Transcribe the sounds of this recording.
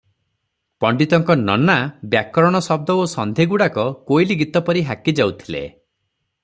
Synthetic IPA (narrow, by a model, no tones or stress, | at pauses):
pɔɳɖit̪ɔŋkɔnɔnabjakɔɾɔɽ̃ɔsɔb̚d̪ɔosɔnd̪ʱeɡuɽakɔkojliɡit̪ɔpɔɾiɦakid͡ʒawt̪ʰilḛ